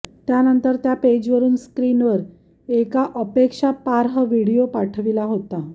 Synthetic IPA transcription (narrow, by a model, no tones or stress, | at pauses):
t̪janənt̪əɾt̪japed͡ʑʋəɾuːnskɾinʋəɾ | ekaʔəpekʂapaɾɦəʋiɽijopaʈʰəʋilaɦot̪a